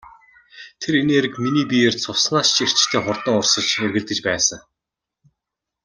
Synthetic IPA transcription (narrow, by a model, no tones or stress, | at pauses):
t̪ʰeɾeneːɾɘ̆kminiːpijeːrt͡sʰʊsnaːst͡ɕʰer̥t͡ɕt̪ʰeːχʊrt̪ə̆ŋʊrsə̆t͡ɕerɣɘ̆ɮt̪ɘ̆t͡ɕpæːsə̆ŋ